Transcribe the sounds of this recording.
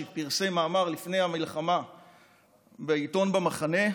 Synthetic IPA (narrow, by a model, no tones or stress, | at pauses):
piʁsemaːmaʁlifne̞jhamilχama | beito̞nbemaχane̞